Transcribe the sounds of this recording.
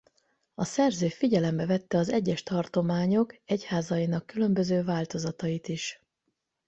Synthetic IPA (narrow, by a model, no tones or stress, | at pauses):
ɒsɛrzøːfiɟɛlɛmbɛvɛt̪ːɛɒzɛɟːɛʃt̪ɒrt̪o̞maːɲo̞kɛchaːzɒjinɒkːylø̞mbø̞zøːvaːlt̪o̞zɒt̪ɒjit̪iʃ